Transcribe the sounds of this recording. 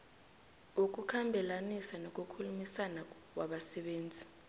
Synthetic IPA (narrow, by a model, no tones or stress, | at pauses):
uk̬ʼukʰambʱɛlanisanok̬ʼukʰulumisana | wʔaɓasɛɓeːnd͡zʱi